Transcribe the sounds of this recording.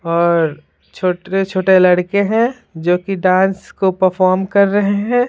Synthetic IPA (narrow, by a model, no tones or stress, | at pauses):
ɔːɾ | t͡ʃʰoːʈet͡ʃʰoːʈelɐɽkeɦɛ̃ː | d͡ʒoːkiɖãːnskopəɾfɔːɾmkɐɾːɐɦeɦɛ̃ː